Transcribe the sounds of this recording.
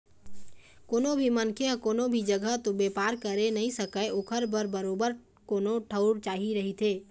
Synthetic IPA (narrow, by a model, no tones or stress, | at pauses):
koːnobʱimənkʰeəkoːnobʱid͡ʒəɡʱəɦt̪obepaːɾkəɾenəɦĩsəkəʔoːkʰəɾbəɾbəɾoːbəɾ | koːnoʈʰəʊɽt͡ʃaːɦiɾəɦit̪ʰeː